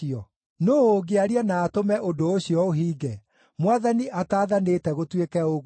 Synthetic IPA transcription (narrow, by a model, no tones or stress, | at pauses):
ɔ | nooɡeaɾianaːtomɛʔodooɕiɔoɦiːɡɛ | mwaðaniʔataːðaneːtɛɣotwekɛoɣ